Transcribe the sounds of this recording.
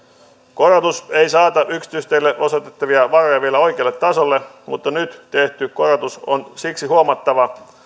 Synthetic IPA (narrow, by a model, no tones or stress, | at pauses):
ko̞rɑt̪use̞jsɑːt̪ɑʔyksi̥t̪yst̪ejlːeʔo̞so̞t̪et̪ːɑʋiɑʋɑro̞jɑʋielæo̞jk̟eɑlːet̪ːɑso̞lːe̞ | mut̪ːɑnyt̪t̪e̞ht̪yko̞rot̪uso̞nsiksiɦuomɑt̪ːɑʋɑ